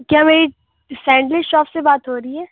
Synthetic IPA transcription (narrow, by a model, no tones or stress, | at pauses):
kjaːmeːɾi | sɛ̃ːɳɖlɪʃɔːfsebaːt̪ɦoːɾəiɦɛː